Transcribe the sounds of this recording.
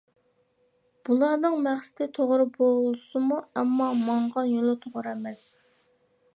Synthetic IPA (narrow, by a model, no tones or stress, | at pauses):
b̥ulˠɑɾnɨŋmæχsɪ̥t̪ʰɪt̪ʰoʁɾɨbolˠlˠɨsɨmuɛmːɑmɑɴʁɑnjolˠɨt̪ʰoʁɾɛmɛs